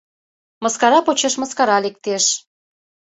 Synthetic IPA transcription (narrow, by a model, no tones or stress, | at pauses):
məskɑɾɑpot͡ɕeʃməskɑɾɑlek̚t̪eʃ